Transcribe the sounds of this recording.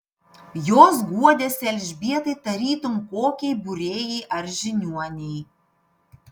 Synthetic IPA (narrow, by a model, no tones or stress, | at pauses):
joːs̬ɡuɔd̪ʲeːsɛlʲʒʲbʲiɛt̪ɐɪt̪ɐɾʲiːt̪ʊmkoːkʲɛɪbʊɾʲeːjɛʔɐɾʒʲɪnʲuɔnʲɛɪ